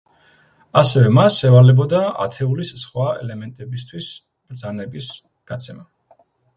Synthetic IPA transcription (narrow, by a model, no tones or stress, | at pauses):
asɛvɛmasːɛvaɾlɛbɔd̪aa̰t̪ʰɛulissχwaɛ̰lɛmɛnt̪ʼɛbist̪ʰwis | b̥ɾd̪zanɛbis | ɡ̥at̪sʰɛma